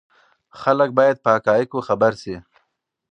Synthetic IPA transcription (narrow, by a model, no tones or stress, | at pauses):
xalək̚bɑːjad̪̚pəakɑːjikoxabaɾsi